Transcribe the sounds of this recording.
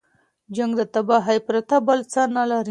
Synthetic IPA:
d͡ʒaŋɡd̪ət̪abaɦajpɾat̪abəlt͡sanalaɾi

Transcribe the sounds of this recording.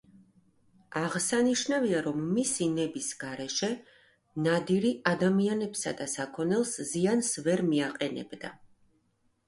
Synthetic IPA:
aʁsaniʃnaviaɾɔmːisinɛbisɡ̥aɾɛʃɛ | nad̪iɾiʔad̪amianɛbsa̰d̪asakʰɔnɛlˠsziansvɛɾmiaqʼɛnɛ̰bd̪a̰

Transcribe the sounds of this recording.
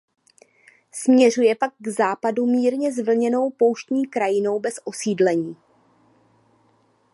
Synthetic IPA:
smɲɛr̝ujɛpak̚ɡzaːpadumiːɾɲɛzvl̩ɲɛno̞wpo̞wʃt̪ɲiːkɾajɪno̞wbɛsʔo̞siːdlɛɲiː

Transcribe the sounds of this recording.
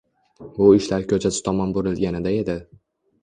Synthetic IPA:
bʊɪʃlaɾkʲʰɵt͡ʃʰasɪ̥t̪ʰɒmɒnboɾɪlɡʲanɪd̪ae̞d̪ɪ

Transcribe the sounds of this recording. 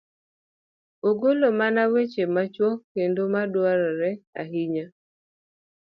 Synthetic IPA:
oɡolomanawet͡ʃemat͡ʃwɔkendomadwaɾɔɾɛa̰ɦiɲa

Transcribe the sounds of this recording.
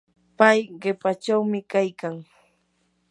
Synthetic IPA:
pajɢepat͡ʃawmɪkajkaŋ

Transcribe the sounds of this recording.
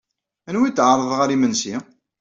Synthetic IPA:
ænwit̪ːʕɾˤəðˤʁaɾimənsi

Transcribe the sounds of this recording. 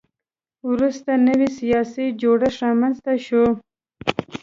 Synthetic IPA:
wɾust̪anəwisijɑsid͡ʒoɽaɾɑmanzt̪aʃo

